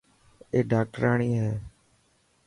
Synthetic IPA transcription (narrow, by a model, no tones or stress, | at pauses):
eːɖaːk̚ʈɾaːɳiːɦeː